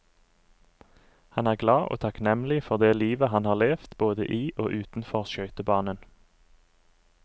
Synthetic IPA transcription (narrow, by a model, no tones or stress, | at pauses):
hɑnæːʁɡlɑːʔo̰ːt̪ʰɑknɛmlɪfɔʁd̪eːliːʋəɦɑnhɑːʁleːft̪boːd̪ə̰ʔiːʔo̰ːʔʉːt̪n̩fɔʁʃœʏt̪əbɑːnən